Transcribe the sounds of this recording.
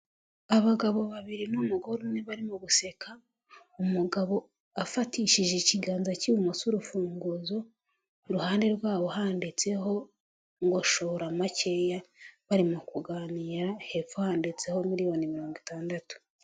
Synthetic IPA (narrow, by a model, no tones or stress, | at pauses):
aβaɡaβo̞βaβiɾinumuɡo̞ɾuneβaɾimoβuse̞kʰa | umuɡaβo̞ | afatiːʃiʒeciɡaːnzaciumosuɾufuːŋɡuzo̞ | ɾuhaːnde̞ɾɡwaːβo̞haːndit͡se̞ho̞ | ŋɡo̞ʃo̞ɾamace̞jaβaɾimokuɡaːniːɾahe̞fuhaːndit͡seho̞muɾijonimiɾoːŋɡitaːndatu̥